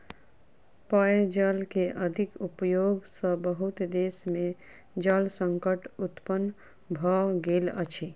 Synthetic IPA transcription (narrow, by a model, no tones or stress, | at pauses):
pəed͡ʒəlkeʔəd̪ʱikupjoɡsə̃bəɦut̪d̪esme | d͡ʒəlsəŋkəʈut̪pən | bʱɔɡelə̰t͡ʃʰi